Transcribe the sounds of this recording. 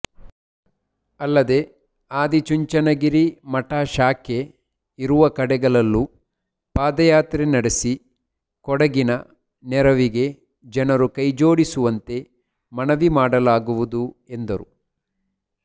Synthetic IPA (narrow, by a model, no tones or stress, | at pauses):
ɐlːɐd̪e̞ | aːd̪it͡ʃuɲt͡ʃɐnɐɡiɾimɐʈaːʃaːke̞ | iɾuʋɐkɐɽɛɡɐɭɐlːu | paːd̪ɐjaːt̪ɾenɐɽesi | kɔɽɐɡinɐ | nɛɾɐʋiɡe̞ | d͡ʒɐnɐɾukɐjd͡ʒo̞ːɽisuʋɐnt̪e̞ | mɐnɐʋimaːɽɐlaːɡuʋud̪ue̞nd̪ɐɾu